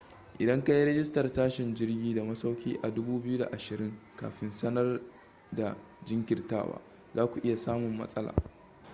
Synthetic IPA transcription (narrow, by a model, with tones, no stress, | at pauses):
ʔɪ˨dɐ˦ŋka˦ji˦ɾɐ˦ɡʲɪ˦stɐ˨rtaː˦ʃɪ˨nd͡ʒɪ˦rɡʲiː˦da˨mɐ˦sa˦wkʲiː˦ʔa˨dʊ˦buː˦bɪ˦ju˦da˨ʔa˨ʃɪ˨ɾɪ˦ŋka̰ː˨ɸɪ˦nsɐ˦nɐ˦r | da˨ | d͡ʒɪ˦ŋkʲɪ˨rta̰ː˦wa̰ː˦ | zaː˦kʷu˨ʔɪ˦ja˨saː˦mʊ˨mːɐ̰˦sʼɐ˦la̰ː˨